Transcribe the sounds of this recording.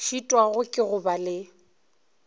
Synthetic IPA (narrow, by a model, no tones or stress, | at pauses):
ʃitʼwaɣʊkʼɪɣʊbalɪ